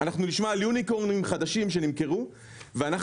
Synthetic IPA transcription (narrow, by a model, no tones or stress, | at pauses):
anaχnuliʃmaljunikoʁnimχad̪aʃimʃ̬e̞nimke̞ʁu | veana